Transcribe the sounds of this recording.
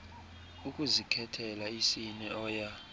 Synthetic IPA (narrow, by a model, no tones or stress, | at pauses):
ukʼuzikʰɛtʰɛlaisinɛɔːja